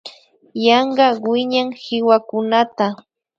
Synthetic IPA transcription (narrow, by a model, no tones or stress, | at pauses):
jɑɴɢɑwɪɲaŋhɪwakʊnat̪a